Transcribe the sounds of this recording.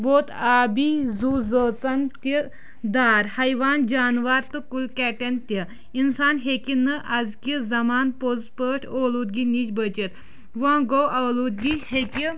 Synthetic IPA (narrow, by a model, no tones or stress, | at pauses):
boːt̪ʰaːbizuːzəːt͡sɐnt̪i | d̪aːɾhɐjʋaːnd͡ʒaːnʋaɾt̪ɨkulkɛːʈent̪ɐ | insaːnɦekinəʔɐd͡zkizɐmaːnpozpəːʈʰoːluːd̪̚ɡiniːt͡ʃbət͡ʃet̪ | ʋãɡowʔɐluːd̪̚ɡiheki